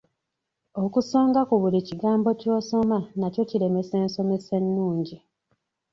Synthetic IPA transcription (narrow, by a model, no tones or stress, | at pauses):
o̞kusoːŋɡakuβuliciɡaːmbo̞co̞ːso̞manaco̞ciɾe̞me̞seːnso̞me̞se̞nːuːɲɟi